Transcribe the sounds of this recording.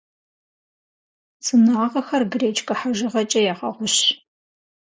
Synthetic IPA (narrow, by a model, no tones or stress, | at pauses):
t͡sʼɨnaːʁɐxɐrɡreːt͡ʃʰʼkʼɐħaʒɨʁɐt͡ʃʼɐjaːʁɐʁʷʊɕ